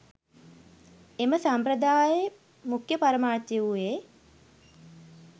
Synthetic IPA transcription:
eməsampɾəd̪aːje | mukjəpaɾəmaːt̪jeue

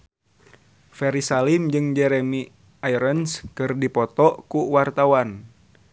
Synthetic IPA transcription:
fɛɾisalimd͡ʒɨŋd͡ʒɛɾɛmi | aiɾənskɨrdipɔt̪ɔkuwart̪awan

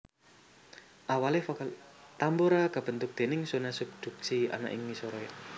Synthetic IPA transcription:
ʔawalehfɔkəl | t̪ambuɾaɡa̤b̥ə̤nt̪ʊk̚d̪̥e̤nɪŋsunasub̚d̪̥ṳk̚sia̰na̰ʔɪ̰ŋmisɔɾɔj

